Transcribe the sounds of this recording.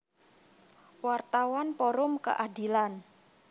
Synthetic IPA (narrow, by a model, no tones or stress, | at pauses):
wart̪awanpɔɾʊmkə̰ʔadi̤lan